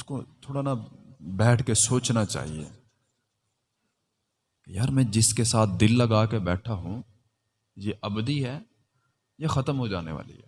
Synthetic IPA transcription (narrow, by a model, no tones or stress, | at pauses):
ʊskot̪ʰoːɽanabɛːʈʰkesoːt͡ʃnat͡ʃa̰ːɦḭḛ | kjaːɾmɛ̃ːd͡ʒɪskesaːt̪̚ʰd̪ɪlːɐɡaːkebɛːʈʰaɦũ | jeʔɐbd̪iɦɛː | jexɐt̪əmɦod͡ʒaːnḛʋa̰ːlḭɦɛː